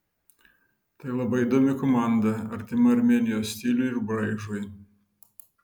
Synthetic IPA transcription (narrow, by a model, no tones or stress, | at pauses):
t̪ɐɪlˠɐbɐɪɪd̪oːmʲɪkɔmɑˑnd̪ɐɐɾʲt̪ʲɪmɐɐɾʲmʲeːnʲɪjoːsʲsʲt̪ʲɪlʲʊɪɾbɾɐɪʒoj